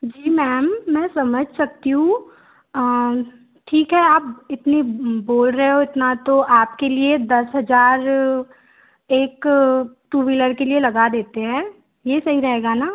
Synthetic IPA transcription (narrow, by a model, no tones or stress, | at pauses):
d͡ʒiːmɛːmːɛ̃ːsɐməd͡ʒʱsɐk̚t̪iɦũ | ʈʰiːkɦɛaːp̚ɪt̪niboːlɾɐɦeɦoɪt̪nat̪oʔaːp̚kelied̪ɐsɦɐzaːɾ | eːkʈuːʋiləɾkelielɐɡad̪eːt̪eɦɛ̃ː | jeːsɐɦiɾɐɦeːɡanaː